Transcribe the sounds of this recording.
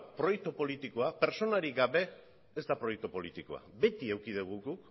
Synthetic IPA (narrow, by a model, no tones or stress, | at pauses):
pɾo̞jek̚t̪opo̞lit̪ikoape̞ɾt͡ʃo̞naɾiɡaβe̞ː | zd̪apɾo̞jek̚t̪opo̞lit̪iko̞̰a̰be̞t̪iewkiðuɣ̞uɣuk